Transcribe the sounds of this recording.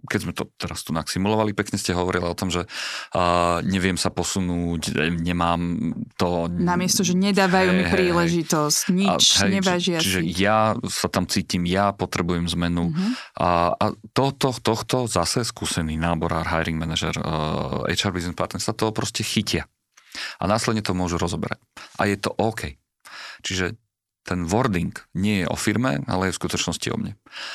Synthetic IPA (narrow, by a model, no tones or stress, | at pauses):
kɛzmɛt̪ɔt̪ɛɾast̪unaksimulɔʋalipɛkɲɛscɛɦɔʋɔɾilaɔt̪ɔmʒɛ | ɲɛʋɪɛmsapɔsunuːcɲɛmaːmt̪ɔnamɪɛst̪ɔʒɛɲɛd̪aːʋajumiɦpɛɾiːlɛʒit̪ɔscɲit͡ʃɦɛɲɛt͡ʃaʒɪat͡ʃiʒɛjasat̪amt͡siːcimjapɔt̪ɾɛbujɛmzmɛnu | a̰t̪ɔt̪ɔxt̪ɔxt̪ɔzasɛskuːsɛniːnaːbɔɾa̰ːɾɦajɾiŋɡmɛnaʒɛ̰ɾɛ̰t͡ʃaɾbizspaɾt̪ɛnsat̪ɔɦɔpɾɔscɛxicɪa | ʔa̰naːslɛd̪ɲɛt̪ɔmʊɔʒuɾɔzɔbɛ̰ɾa̰c̚ʔa̰jɛt̪ɔʔɔːkʰɛj | t͡ʃiʒɛ | t̪ɛnʋɔɾd̪iŋkɲɪɛjɛʔɔ̰fiɾmɛ̰a̰lɛjɛfskut̪ɔt͡ʃnɔscḭɔ̰mɲɛ